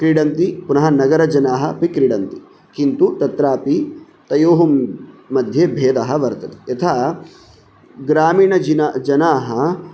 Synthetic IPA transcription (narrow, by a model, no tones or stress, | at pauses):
kɾiɽɐnt̪ipunɐɦɐnɐɡɐɾɐd͡ʒɐnaːɦɐpikɾiɽɐnt̪i | kint̪ut̪ɐt̪ɾaːpi | t̪ɐjoːɦumːɐd̪ʱjebʱeːd̪ɐɦɐ̆ʋɐɾt̪ɐt̪i̥et̪ʰaː | ɡɾaːmiːɳɐd͡ʒinad͡ʒɐnaːɦɐ